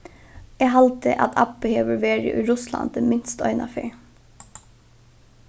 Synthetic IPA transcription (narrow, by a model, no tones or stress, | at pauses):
eːɦɑlt̪əʔɑ̰t̪ʰɑpbəheːʋəʋeːɹə̰ʔʉːɾʉslɑ̰nd̪ɛmɪnst̪œ̰ʏnɑfḛː